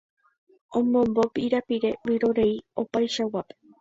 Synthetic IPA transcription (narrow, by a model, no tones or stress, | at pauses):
õmõ̞mbopiɾapiɾe̞wiɾo̞ɾe̞io̞pajʃawape